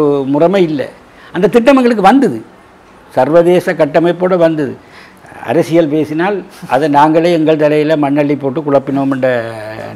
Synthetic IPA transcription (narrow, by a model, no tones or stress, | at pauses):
ɯmʊrɐmɐɪɪlːɐ̰ | ɐnd̪ɐt̪ɪʈːɐmɐŋɡɐɭɯk̬ːɯʋɐnd̪ɐðɯ | sɐɾʋɐðeːsɐkɐʈːɐmɐɪpːoːɽɐʋɐnd̪ɐðɯ̰ | ɐ̰ɾɐsɪjɐlpeːsɪnaːlɐ̰ðɐnaːŋɡɐɭɐɛŋɡɐɭt̪ɐlɐjɪlɐmɐɳːɐɭːipːoːʈːɯkʊɻɐpːɪnoːmɛɳɖɐ